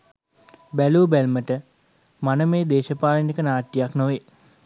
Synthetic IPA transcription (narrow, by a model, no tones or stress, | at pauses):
bælubælməʈə | manəmeːd̪eːʃəpaːlinikənaːʈːijaknoʋe